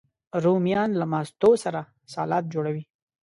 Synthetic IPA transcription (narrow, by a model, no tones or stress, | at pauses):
ɾumijɑnlamɑst̪osaɾa | sɑːlɑːt̪̚d͡ʒoɽawi